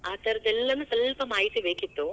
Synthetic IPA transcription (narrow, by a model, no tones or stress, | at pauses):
aːt̪ɐɾɐd̪ɛlːɐnusɐlpɐmaːjit̪ibeːkit̪ːu